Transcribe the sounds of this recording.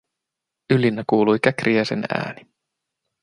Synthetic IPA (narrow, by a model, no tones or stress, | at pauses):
ylːinːækuːlujkækriæsḛnæ̰ːni